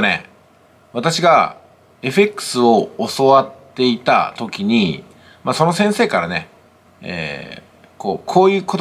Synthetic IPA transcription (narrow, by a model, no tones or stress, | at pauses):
nḛ | βat̪aɕiɡa | e̞ɸe̞kɯ̟̥sɨo̞ːso̞βat̪ːe̞it̪a̰t̪o̞kʲiɲ̟i | maso̞no̞sẽ̞ɰ̃se̞ːkaɾane̞̰ | ḛː | kʰo̞ːkʰo̞ːjɯ̟ːko̞t̪